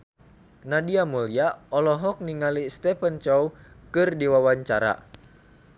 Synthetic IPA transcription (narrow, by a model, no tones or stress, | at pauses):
nadiamuliaɔlɔɦɔk̚niŋalist̪ɛpənt͡ʃɔwkɨrdiwawaɲt͡ʃaɾa̰